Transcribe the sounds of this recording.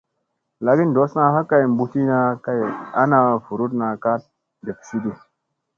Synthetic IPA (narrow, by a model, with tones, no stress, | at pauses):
la˨ɡi˦ndo˨˦sna˧ɦa˦ka˦˨jm˨bu˧ti˦na˧ka˦ja̰˦na˧fu˨ɾu˦tna˨ka˦t̚ | de˨ksi˦di˨